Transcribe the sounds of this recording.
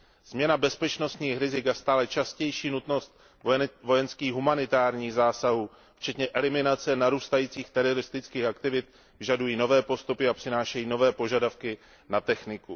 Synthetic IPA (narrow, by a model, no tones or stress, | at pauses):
z̥mɲɛnabɛspɛt͡ʃno̞st̪ɲiːxɾɪzɪkast̪aːlɛt͡ʃascɛjʃiːnut̪no̞st̪ | vo̞jɛnskiːɣɦumanɪt̪aːɾɲiːɣzaːsaɦuː | ft͡ʃɛt̪ɲɛʔɛlɪmɪnat͡sɛnaɾuːst̪ajiːt͡siːxt̪ɛɾo̞ɾɪst̪ɪt͡skiːxakt̪ɪvɪt̪ | vɪʒadujiːno̞vɛːpo̞st̪upɪapr̥ɪnaːʃɛjiːno̞vɛːpo̞ʒadafkɪ | nat̪ɛxnɪku